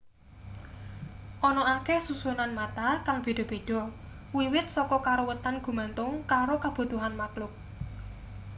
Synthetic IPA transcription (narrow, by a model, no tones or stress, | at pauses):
ʔɔnɔakɛhsusunanmat̪akaŋb̥e̤ɖ̥ɔ̤b̥e̤ɖ̥ɔ̤ | wiwɪt̪̚sɔkɔkaɾowət̪anɡ̥ṳmant̪ʊŋkaɾokab̥ṳt̪uɦanmaklʊk̚